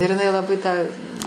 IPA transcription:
ɪr ɪˈnɐɪ lˠɐˈbɐɪ tɑː

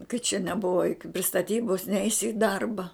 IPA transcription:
kɐt t͡ʃʲɛ nʲɛˈbʊʋɐ joːˈkʲʊ pʲrʲɪ stɐˈtʲiːboːs ˈnʲɛɪsʲɪ ɪ ˈdɐrbɐ

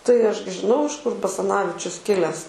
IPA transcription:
tɐɪ ˈɐʃ ɡʲɪ ʒʲɪˈnɐʊ ɪʃ kʊr bɐsɐˈnɑːʋʲɪt͡ʃʲʊs ˈkʲɪlʲæːs

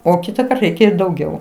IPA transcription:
oː ˈkʲɪtɐkɐrt ˈrʲɛɪkʲɛ ɪ dɐʊˈɡʲɛʊ

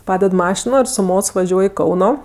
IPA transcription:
ˈpɑːdʲɛt ˈmɑːʃʲɪnoː ɪr sʊ ˈmoːts ʋɐˈʒʲuɔj ɪ ˈkɐʊnoː

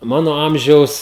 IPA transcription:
ˈmɑːnoː ˈɐmʲʒʲɛʊs

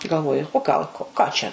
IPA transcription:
ɡɐlˠˈʋoːjʊ oː ˈɡɐlˠ koː ˈkɑː t͡ʃʲɛ

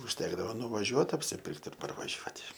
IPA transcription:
ʊʃʲˈtʲæːɡdɐʋoː nʊʋɐˈʒʲuɔt ɐpʲsʲɪˈpʲɪrkt ɪr pɐrʋɐˈʒʲuɔtʲɪ

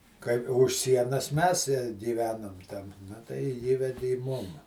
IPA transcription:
kɐɪ ʊʃ ˈsʲiɛnɐs ˈmʲɛs ɪ ɡʲɪˈʋʲæːnʊm tʲɛn nɐ tɐɪ ˈiːʋʲɛdʲɪ ɪ ˈmʊm

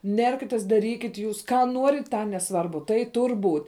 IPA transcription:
ˈnʲɛrʲkʲɪtʲeːs dɐˈrʲiːkʲɪtʲ juːs ˈkɑː ˈnuɔrʲɪt ˈtɑː nʲɛˈsʋɐrbʊ tɐɪ ˈtʊrʲ buːtʲ

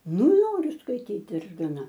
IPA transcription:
ˈnoːrʲʊ skɐɪˈtʲiːt ɪr ɡɐˈnɐ

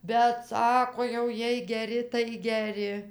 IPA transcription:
bʲɛt ˈsɑːkoː jɛʊ ˈjiɛj ɡʲɛˈrʲɪ tɐɪ ɡʲɛˈrʲɪ

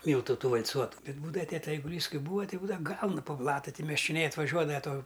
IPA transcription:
ˈmʲiːlˠtʊ ˈtuː ʋɐlˠˈt͡suɔtʊ ˈbʲɛt ˈbuːdɐʋɐ ˈtʲæːtʲɛ ɛɪɡʊˈlʲiːs ˈkɐɪ ˈbuːɐ ˈtɐɪ buːdɐʋɐ ˈɡɐʊnʊ poː ˈblˠɑːtʊ ˈtɐɪ mʲɛʃʲt͡ʃʲoːˈnʲɛɪ ɐtʋɐˈʒʲuɔdɐʋɐ ˈtoː

